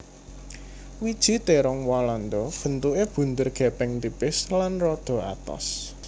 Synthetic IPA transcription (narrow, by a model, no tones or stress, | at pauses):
wid̥ʒ̥i̤t̪eɾɔŋwaland̪ɔb̥ə̤nt̪uʔeb̥ṳnt̪ʊrɡ̥ɛ̤pɛŋt̪ipɪslanrɔd̪̥ɔ̤a̰t̪ɔ̰s